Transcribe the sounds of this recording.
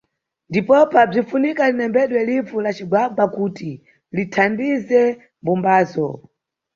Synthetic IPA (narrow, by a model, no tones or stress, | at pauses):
ndipɔpab͡ʐifunikalinɛmbɛɗwɛlifulat͡ʃiɡwaɓakuti | litʰambizɛ | mbumbaːzɔ